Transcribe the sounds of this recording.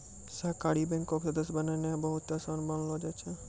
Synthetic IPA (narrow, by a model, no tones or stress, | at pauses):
sakaɽibɛ̃ŋkoksəd̪əsbənanebəɦut̪ːasənbənlod͡ʒat͡ʃʰe